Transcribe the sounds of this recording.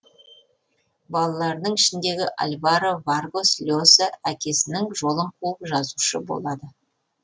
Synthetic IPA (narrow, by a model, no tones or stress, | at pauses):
bɑlˠɑlˠɑɾd̪əɴɪʃɪnd̪e̞ɡʲɪʔa̰lʲvɑɾəvarɡo̞slʲosaækʲʰe̞sɪnɪŋʒo̞lˠəɴqʰuəpʒɑzuʃəbo̰lˠɑd̪ə